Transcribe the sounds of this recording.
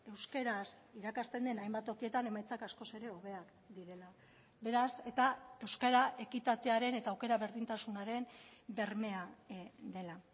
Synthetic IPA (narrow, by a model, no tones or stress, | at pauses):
e̞wske̞ɾasiɾakast̪e̞nd̪e̞najmbat̪o̞kie̞t̪ane̞majt͡sakasko̞se̞ɾe̞oβ̞e̞ak | d̪iɾe̞la | be̞ɾase̞t̪ae̞wskaɾaʔe̞kit̪at̪e̞aɾe̞ne̞t̪aːwke̞ɾaβe̞ɾðint̪asunaɾe̞mbe̞ɾme̞ad̪e̞la